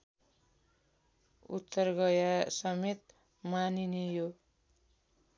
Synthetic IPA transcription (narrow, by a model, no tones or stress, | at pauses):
ut̪ːʌrɡʌjasʌmet̪̚ | maninejo